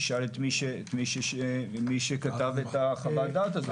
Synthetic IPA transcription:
ʃalet̪miʃeːtmiʃeʃemiʃekat̪avet̪aχavad̪at̪azo

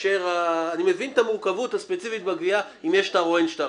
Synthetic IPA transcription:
ʃeʁaːnimevint̪amuʁkavutaspet͡sifit̪̚baɡvia | imjeʃtaʁoenʃt̪a

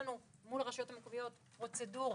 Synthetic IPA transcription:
nu | mulʁaʃajo̞thamikvijo̞t | pʁo̞t͡seduʁ

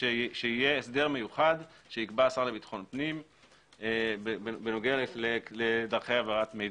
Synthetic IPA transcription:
eʃeijeːsd̪e̞ʁmejuχad̪ʃeikbaːsaʁle̞bit̪ḁχo̞npnim | ebebenoɡealefleledaʁχejavaʁatmej

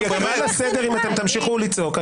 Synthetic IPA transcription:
at̪amelased̪eʁimat̪e̞mt̪amʃiχulit͡soka

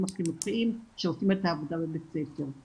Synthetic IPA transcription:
mafinuχiimʃeosimetaːvodabebet͡sefeʁ

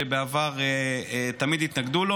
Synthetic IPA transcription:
ebeavaʁeet̪amid̪it̪naɡd̪ulo

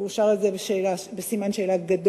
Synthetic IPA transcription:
uʃaʁezebeʃeːlabesimanʃeːlaɡad̪o

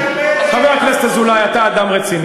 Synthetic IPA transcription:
χaveaknest̪azulajat̪aːd̪amʁet͡sin

